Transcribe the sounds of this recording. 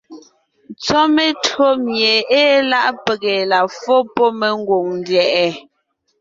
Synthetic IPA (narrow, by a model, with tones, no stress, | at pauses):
nt͡sɔ˦me˦tɰo˦mje˨eː˦la˦˨ʔpe˨ɣe˨la˨fo˦pɔ˦me˦ŋ̩˦ɡwo˨ŋn˦djɛ˨ʔɛ˨